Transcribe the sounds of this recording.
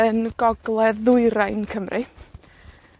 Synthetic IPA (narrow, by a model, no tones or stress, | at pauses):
ənɡ̥ɔɡlˠɛðʊɨɾajnkʰəmrʔɪ